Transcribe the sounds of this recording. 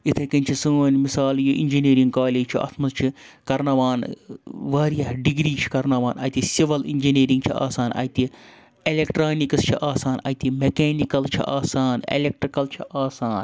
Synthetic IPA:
it̪ʰekɐnʲt͡ʃʰisuoːnmisaːljoʔḭnʲd͡ʒiniːɾiŋɡkaːleːd͡ʒt͡ʃʰiʔɐ̰t̪ʰmɐst͡ʃʰi | kɐɾnɐʋaːnʋaːɾijaɦɖiɡɾiːt͡ʃʰi̥kɐɾnɐʋaːnɐ̰t̪isiʋɐlḭnʲd͡ʒineːɾĩŋɡt͡ʃʰḭa̰ːsaːnɐ̰jt̪i | elekʈɾaːnikɐst͡ʃʰiʔaːsaːnɐ̰t̪imekeːnikɐlt͡ʃʰḭʔa̰ːsaːnḛlek̚ʈɾikɐlt͡ʃʰiʔaːsaːn

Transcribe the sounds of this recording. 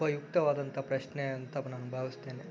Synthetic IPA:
ɐjuk̚t̪ɐʋaːd̪ɐnt̪ɐpɾɐʃneɐnt̪ɐnaːnubʱaːʋist̪eːne

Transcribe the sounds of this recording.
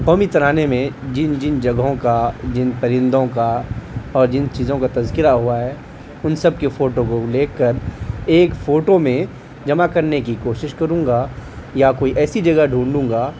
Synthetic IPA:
qɔːmit̪ɐɾaːnemẽd͡ʒɪnd͡ʒɪnd͡ʒɐɡɦõkad͡ʒɪnpɐɾɪ̃nd̪ʱõkaɔːɾd͡ʒɪnt͡ʃiːzõkat̪ɐzkɪɾaɦuaɦɛː | ʊnsɐb̚kefoːʈõkoleːkːɐɾeːkfoːʈomẽ | d͡ʒɐmakɐɾnekikoːʃɪʃkɐɾũːŋɡaːjakoːiʔɛːsid͡ʒɐɡəɦɖʱũːɳɖũːŋɡaː

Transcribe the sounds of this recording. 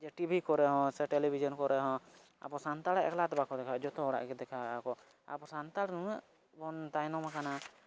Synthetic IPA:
d͡ʒɛʈibʱikɔɾɛɦɔ̃sɛʈɛlibʱid͡ʒɔnkɔɾʔɛɦɔ̃ | a̰pɔsant̪aɽɛʔɛ̰klat̪ɛbakɔd̪ɛkʰaʔd͡ʒɔt̪ɔɦɔɽa̰ʔkɛd̪ɛkʰaakɔ | a̰pɔsant̪aɽnuɛʔ | bɔnt̪ajnɔmakana

